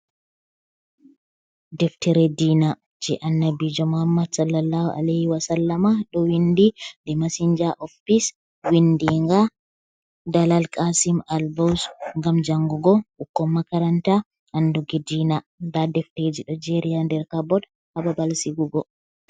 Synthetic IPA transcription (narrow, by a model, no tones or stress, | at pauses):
dɛftiɾɛdiːna | d͡ʒɛʔɐnːɐbid͡ʒɔmhamːɐd̪sɐlːɐlːaːhʔɐ̰lɛhwɐsɐlːɐmaɗɔwindidɛmɐsiɲd͡ʒaʔɔfis | windiŋɡa | dɐlɐlkʼasimɐlbɔsŋɡɐmd͡ʒɐŋɡuɡɔʔukːɔmːɐkɐɾɐnt̪a | ʔɐnduɡɛdiːnad̪aːdɛfteːd͡ʒiɗɔd͡ʒeɾijandɛɾkabɔd | hɐbɐbɐlsiɡuɡɔ